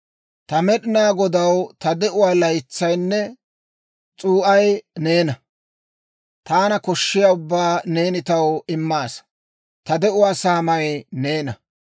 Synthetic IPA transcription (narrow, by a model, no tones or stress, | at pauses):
t̪ɐmɛɗɪnaːɡɔd̪ɐwt̪ɐd̪ɛʔʊwaːlɐjɪt͡sːɐjnːɛ | t͡sʼuːʔɐjne̞ːnɐ | t̪aːnɐkɔʃːɪjaːʊbːaːneːnɪt̪ɐwɪmːaːs | t̪ɐd̪ɛʔʊwaːsaːmɐjne̞ːnɐ